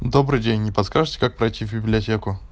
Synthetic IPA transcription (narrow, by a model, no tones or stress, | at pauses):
d̪obɾɨjdʲenʲːɪpɐt̪skaʐɨtʲɪ̥kak̚pɾɐjtʲivʲbʲɪblʲɪɐtʲekʊ